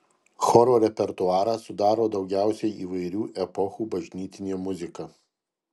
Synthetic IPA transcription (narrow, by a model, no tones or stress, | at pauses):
xɔɾoːɾʲɛpʲɛɾt̪ʊɑːɾɑːsʊd̪ɑːɾoːd̪ɒʊɡʲæˑʊsʲɛɪiːʋɐɪɾʲuːʔɛpɔxuːbɐʒʲnʲiːt̪ʲɪnʲejmʊzʲɪkɑː